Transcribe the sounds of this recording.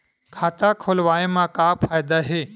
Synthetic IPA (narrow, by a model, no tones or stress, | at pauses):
kʰaːt̪akʰoːlʋaːemãːkaːpʰaːjd̪aɦeː